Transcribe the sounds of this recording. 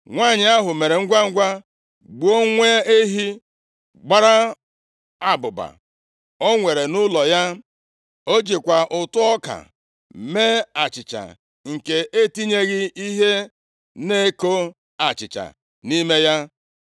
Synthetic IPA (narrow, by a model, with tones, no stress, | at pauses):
ŋʷa˦˨ɲɪ˨a˦ɦʊ˨me˨ɾe˨ŋ̩˦ɡʷa˦ŋ̩˦ɡʷa˦ | ɡ͡bu˨˦o˦ŋʷe˦e˦ɦi˦ | ɡ͡ba˦ɾa˦ | a˨bʊ˨ba̰˨ | o˦ŋʷe˨ɾe˨nʊ˦lɔ˨ja˦ | o˦d͡ʒi˨kʷa˨ʔʊ˨tʊ˦ɔ˦ka̰˨ | me˦a˨t͡ʃɪ˨t͡ʃa̰˨ | ŋ̩˨ke˨ʔe˦ti˦ɲe˦ɣɪ˦i˦ɦe˦ | ne˦ko˦ | a˨t͡ʃɪ̰˨t͡ʃa̰˨ | ni˦me˦ja˦